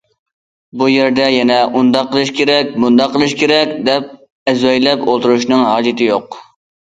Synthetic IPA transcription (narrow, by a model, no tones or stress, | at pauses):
bujeɾd̪ɛjɛnɛʔund̪ɑqːəlˠɨʃkʲʰeɾɛkʲmund̪ɑqʰːəlˠɨʃkʲʰeɾɛkʲd̪ɛp̚ | ɛzwɛjlɛpolˠt̪ʰuɾuʃnɨŋɦɑːd͡ʒɨt̪ʰɪjoq